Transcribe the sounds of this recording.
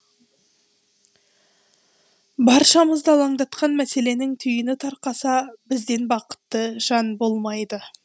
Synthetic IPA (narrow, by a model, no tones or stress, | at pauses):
bɑɾʃɑməzd̪ɑlˠɑɴd̪ɑt̪qɑnmæse̞le̞nɪŋt̪ʰʏjɪnɪt̪ʰɑɾqɑsɑbɪzd̪e̞nbɑqə̥t̪ːəʒ̥ɑnbo̞lˠmɑjd̪ə